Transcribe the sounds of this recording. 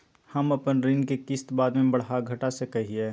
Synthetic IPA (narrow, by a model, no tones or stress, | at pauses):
hɐmɐpənɾɪ̃nkekɪst̪baːd̪mẽbɐɽɦaɡʱɐʈasekɐɦieː